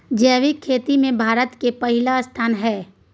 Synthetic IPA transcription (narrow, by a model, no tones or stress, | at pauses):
d͡ʒɛːʋikʰːeːt̪imẽbʱaːɾət̪kepɐɦɪlast̪ʰaːnɦɛː